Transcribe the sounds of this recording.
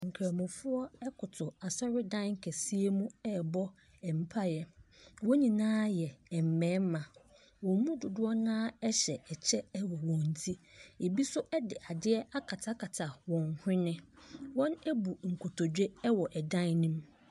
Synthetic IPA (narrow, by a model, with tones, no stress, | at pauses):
ŋ̩˨kʰa˨mʊ̃˨fʊ˦ɔ˦ɛ˦kʰʊ˨tʰʊ˨a˨sɔ˦ɾɪ˦dã˦n˦ŋ̩˦kʰɛ˨si˦e˦mũ˦ɛ˦˨bɔ˦ | ɛ˨m̩˨pʰa˦jɛ˨wo˦ɲĩ˨nãː˦jɛ˨ɛ˨m̩˨mɛ̃ː˨˦m˦mã˨ | wɔ̃˨˦mũ˦dʊ˨dʊ˦ɔ˦nãː˦ɛ˦ɕɛ˨ɛ˨t͡ɕʰɛ˦wɔ˨wɔ̃˨n̩˨tʰi˦e˨bi˦sʊ˦ʔɛ˦dɪ˨ʔa˨dɪ˦ɛ˦a˦kʰa˨tʰa˦kʰa˨tʰa˨wɔ̃˨ŋhɪ̃˦nɪ̃˦wɔ̃˦nɛ˦bu˨ŋ̩˨kʰʊ˨tʰo˨d͡ʑᶣe˦ɛ˦wɔ˨ʔɛ˨dã˦nnĩ˦m